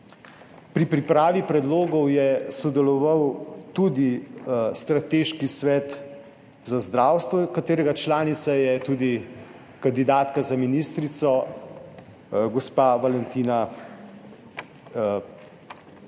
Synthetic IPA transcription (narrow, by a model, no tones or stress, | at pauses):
pɾipɾipɾaːʋipɾɛd̪loːɡɔwjɛsɔd̪ɛlɔʋawt̪ud̪ist̪ɾat̪eːʃkisʋɛːt̪ | zazd̪ɾaːwst̪ʋɔkat̪eːɾɛɡat͡ʃlaːnit̪sajɛt̪uːd̪i | kand̪id̪aːt̪kazaminist̪ɾit̪sɔ | ɡɔspaʋalɛnt̪iːna